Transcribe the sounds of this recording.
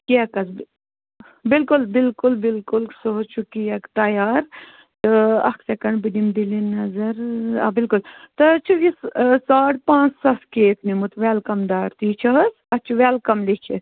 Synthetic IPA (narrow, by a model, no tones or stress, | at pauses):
kiɐkɐsb | bilkulbɪlkulbilkulksoɦot͡ʃʰukiɐkt̪ɐjaːɾ | t̪ɨɐ̰ksɐkɐɳɖbid̪imd̪ilinːɐzɐɾɐ̰bɪlkult̪ɐt͡ʃʰujisaːʈpãːt͡ssɐskeːt̪ʰmimut̪ʋaːlkɐmd̪aːɾt̪uit͡ʃʰɐɦɐs | ɐt͡ʃʰuʋaːlkɐmlikʰis